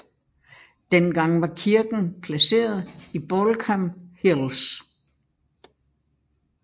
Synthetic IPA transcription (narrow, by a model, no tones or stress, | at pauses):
d̥enɡ̥ɑ̈ŋ̰ʋɑ̈kʰiɐɡ̥n̩pʰlæse̝̰ːɐð̞̩ˠib̥ɔlkʰæmhels